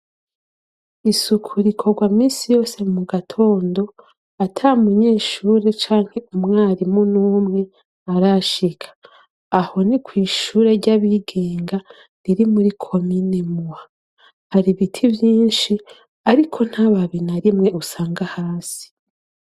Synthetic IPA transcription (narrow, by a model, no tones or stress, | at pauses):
isukʰuɾikʰo̞ɡwaːmiːsijo̞ːsemuɡatʰo̞ːndo̞ | atʰamuɲe̞ːʃuːɾe̞t͡ʃaːŋ̥he̞umŋaːɾimunuːmŋe̞ | aɾaʃikʰḁː | ho̞nikwiːʃuːɾe̞ɾɟaβiɡe̞ːŋɡa | ɾiɾimuɾikʰo̞mine̞muwa | haɾiβitʰivjiːnʃi | aɾikʰo̞n̥haβaβinaɾimŋe̞usaːŋɡahaːsi̥